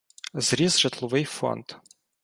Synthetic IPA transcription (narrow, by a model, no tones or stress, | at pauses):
zɾʲizʒɪt̪lˠɔʋɪjfɔ̰nt̪